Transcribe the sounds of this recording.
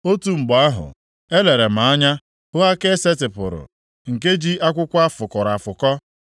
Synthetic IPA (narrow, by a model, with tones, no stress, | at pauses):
o˦tu˦ŋ͡m̩˨ɡ͡bɔ˨a˦ɦʊ̰˨ | e˦le˨ɾe˨m̩˨a˦ɲa˦ | hʊ˦a˦ke˦se˦tɪ˨pʊ̰˨ɾʊ̰˨ | ŋ̩˨k̬e˦d͡ʒi˦ʔa˦kʷʊ˦kʷa˦fʊ˨kɔ˨ɾa˨fʊ˨kɔ˦